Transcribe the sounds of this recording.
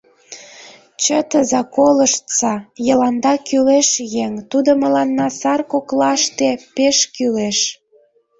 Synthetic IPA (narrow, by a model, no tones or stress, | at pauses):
t͡ɕət̪əzɑkoləʃt̪t͡sɑjə̆lɑnd̪ɑkyleʃjeŋt̪ud̪omə̆lɑnːɑsɑrkoklɑʃt̪epeʃkyleʃ